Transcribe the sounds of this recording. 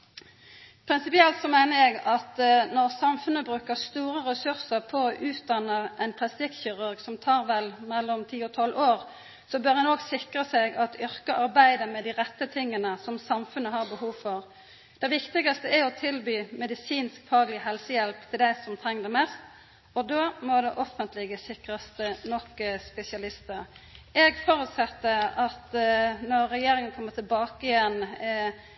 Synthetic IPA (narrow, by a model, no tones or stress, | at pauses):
pʰɾɪnsɪpɪɛlt̪sɔmæɪnəʁjɛɡɑt̪nɔʁsɑmfʉnəbʁʉːkəʁst̪uːʁəʁɛsʉʁsəʁpʰɔʔʉːt̪̚d̪ɑnːəʔɛnpʰlɑst̪ɪkːçʏʁʉʁɡsɔmt̪ʰɑːʁʋɛlmɛlːɔmt̪ʰiːɔt̪ʰɔlːʔoːʁ | sɔbøːʁɛnoːɡsɪkʁəsɛɡɑt̪ʏʁkəɑʁbæɪd̪əmɛd̪iːʁɛt̪ːət̪ʰɪŋːənəsɔmsɑmfʉnːəhɑːʁbəhuːʋfɔʁ | d̪̥ɛɪʋɪkt̪ɪɡɑst̪əæɔt̪ʰɪlbyːmɛd̪ɪsiːnskfɑːɡlɪəɦɛlsəjɛlpt̪ʰɪld̪æɪsɔmt̪ʰɾɛŋːd̪ɛmɛst̪ | ɔd̪oːmɔd̪ɛʔɔfənt̪ʰlɪɡəsɪkɾɑst̪ənɔkːspɛsɪɑlɪst̪əɾɛɡfɔɾʉːt̪sɛt̪ːəɑt̪nɔɾːɛjeːɾɪŋənəkʰɔmːət̪ʰɪlbɑːkəɪɛn